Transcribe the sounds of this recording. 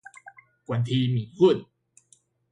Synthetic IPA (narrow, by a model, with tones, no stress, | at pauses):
kwa˧nt̪ʰiː˧miː˨˦kʰɯ˥˩˨n